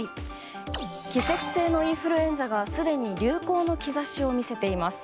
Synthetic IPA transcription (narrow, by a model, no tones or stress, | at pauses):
i | kʲise̞kʲi̥se̞ːno̞ĩɰ̃ɸɯ̟ɾɯ̟ẽ̞nd͡zaɡasɨd̪e̞ɲ̟iɾʲɨːko̞ːno̞kʲizaɕio̞mʲise̞t̪e̞imasɨ̥